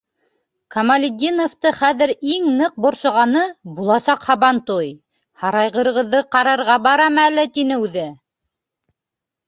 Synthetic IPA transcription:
kɐmɐlʲɪd̪ʲinoft̪ɤχæðɘɾiŋnɤq̚bŏɾsŏʁɑnɤbulˠɑsɑqhɑβɑnt̪uj | hɑɾɑjʁɤ̆ɾɤ̆ʁɤ̆ðːɤqɑɾɑɾʁɑbɑɾɑmɘælɘt̪inɘʉðɘ

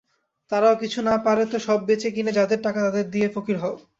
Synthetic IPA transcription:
t̪aɾaokit͡ɕʰunapaɾet̪oʃɔbːet͡ɕekined͡ʑad̪eɾʈakat̪ad̪eɾd̪iefokiɾɦɔo

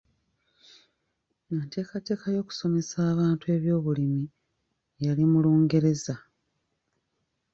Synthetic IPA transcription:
ŋate̞ːkate̞ːkajo̞ːku̥so̞me̞saːβaːntue̞ːβjo̞ːβulimi | jalimuloːŋɡe̞ɾe̞za

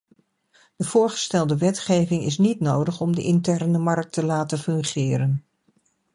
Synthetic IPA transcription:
d̥əv̥ʊːɹχə̥stɛlˠdəʋɛtχejvɪŋɪ̰s̬nitnowdəχɔmdəʔɪntɛrnəmɑrk̚təlaːtəfɵŋχɪːɾən

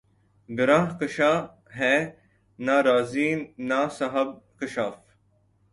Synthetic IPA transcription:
bɪɾaːɦkəʃaː | ɦeː | naːɾaːziːnːaːsɐɦɐb̚kɪʃaːf

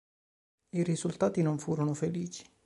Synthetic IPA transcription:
irizult̪aːt̪inoɱfuːɾonofeliːt͡ʃi̥

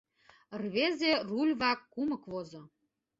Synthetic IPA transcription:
ərβezʲerulʲβɑkːumɤ̆kβozɤ̆

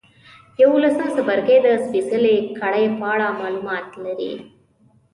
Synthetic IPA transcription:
ewulɐsãsɐbɐɾkeːd̪ɐspisɐlekɐɽɐjɐpaːɽaːmaːlumaːt̪lɐɾḭ

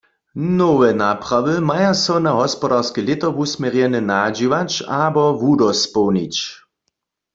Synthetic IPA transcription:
nɔwɛnapʁ̥aʋɨmajasɔnaɦɔspɔdaʁskɛlɪt̪əʁʋusmʲjɛʁjɛnɛnad͡ʒiʋat͡ʃabɔvudɔspɔwnit͡ɕ

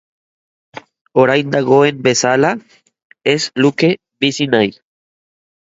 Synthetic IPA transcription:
oɾajnd̪aɣoembesala | esluke | bisinaj

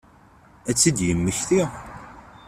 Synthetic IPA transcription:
æt͡sːid̪jəmːəçθiʁ

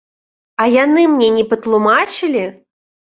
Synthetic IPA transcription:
ɐjanɨmnʲɛnʲɛpɐt̪lˠumat͡ʃɨlʲi

